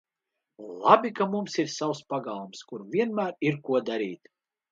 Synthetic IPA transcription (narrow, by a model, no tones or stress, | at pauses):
lˠabʲikamumsiɾsawspaɡalˠumskuɾvʲiɛnmæːɾiɾkuɔd̪aɾiːt̪